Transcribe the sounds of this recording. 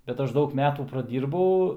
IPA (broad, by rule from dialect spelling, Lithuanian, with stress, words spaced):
bʲɛt ˈɐʃ ˈdɐʊk ˈmʲæːtuː prɐˈdʲiːrbɐʊ